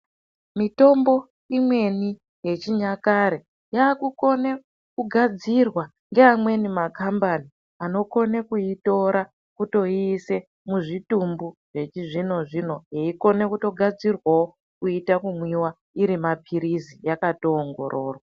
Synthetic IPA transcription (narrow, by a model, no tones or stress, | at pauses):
mito̞mbo̞ | imwe̞ni | je̞t͡ʃiɲakaɾe | jaːkuko̞ne | kuɡʱad͡zirwa | ŋɡeamwe̞nimakambani | ano̞ko̞nekuito̞ɾa | kuto̞iːse̞ | muʐitumbuʐ̥e̞t͡ʃiʐino̞ʐino̞jeiko̞ne̞kuto̞ɡʱad͡zirwawo | kuitakumwiwa | iɾimapʰiɾizijakato̞ːŋɡo̞̰ɾʔo̞ːrwa